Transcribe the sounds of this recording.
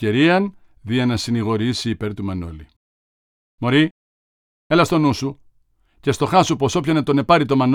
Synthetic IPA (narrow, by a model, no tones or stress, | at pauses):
eɾiɐn | ðiɐnɐsiniɣo̞ɾisiːpeɾt̪umɐno̞̰li | mo̞ɾi | elɐst̪o̞nusu | cest̪o̞xɐsupo̞so̞pçɐnɐt̪o̞ne̞pɐɾit̪o̞mɐn